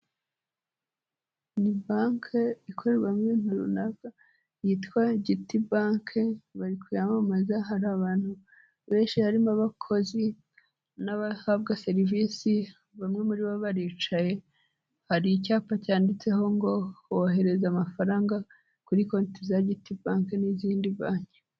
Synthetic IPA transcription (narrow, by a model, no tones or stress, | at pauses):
nibaŋkʰeikʰo̞ɾeβamŋen̥uɾṵnaɡa | jitwaɟitibaːŋkʰeβaɾikʰujamamazaɦaɾaβaːn̥hu | βe̞ːnʃihaɾimaβakʰo̞zi | naβahaβɡase̞ɾiviːsi | βamŋe̞muɾiβoβaɾiːt͡ʃaje̞ | haɾicaːpacaːndit͡se̞ho̞ŋɡo̞hooɦe̞ɾe̞zamafaɾaːŋɡa | kuɾiko̞nitizaɟitibaːŋkeniziːndiβaːɲke